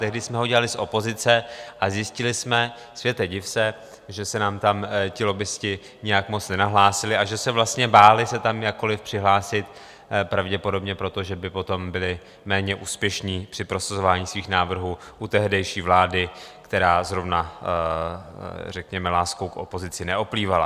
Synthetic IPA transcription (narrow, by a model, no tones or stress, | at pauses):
t̪ɛɦdɪsmɛɦo̞ɟɛlalɪsʔo̞po̞zɪt͡sɛʔazjɪscɪlɪsmɛ | svjɛt̪ɛɟɪfsɛ | ʒɛsɛnaːmt̪amcɪlo̞bɪscɪ | ɲɛjakmo̞t͡snɛnaɦlaːsɪlɪʔaʒɛsɛvlast̪ɲɛbaːlɪsɛt̪amjakːo̞lɪfpr̥ɪɦlaːsɪt̪ | pɾavɟɛpo̞do̞bɲɛpɾo̞t̪o̞ʒɛbɪpo̞t̪o̞mbɪlɪ | mɛːɲɛʔuːspjɛʃɲiːpr̥ɪpɾo̞sazo̞vaːɲiːsviːxnaːvr̩ɦuːʔut̪ɛɦdɛjʃiːvlaːdɪkt̪ɛɾaːzɾo̞vna | rɛkɲɛmɛlaːskowkʔo̞̰po̞zɪt͡sɪnɛʔopliːvala̰